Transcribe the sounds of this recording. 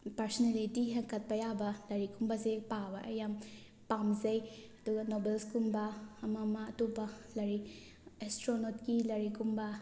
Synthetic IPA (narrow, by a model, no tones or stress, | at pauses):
pɐɾsɔnelitiɦɐŋkʰɐt̚pɐjabɐlɐɾikʰumbɐzepabɐʔɐjam | pamzɐjɐduɡɐnobelskumbɐɐmamɐɐtobɐlɐɾi | estɾonotkilɐɾikʰumbɐ